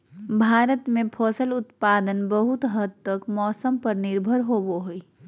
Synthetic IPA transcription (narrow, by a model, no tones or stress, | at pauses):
bʱaːɾət̪mẽpʰɔːsəlʊt̪paːd̪ənbəɦʊt̪ɦəd̪̚t̪ːəkmɔːsəmpɐɾnɪɾbʱəɾɦoːboɦoi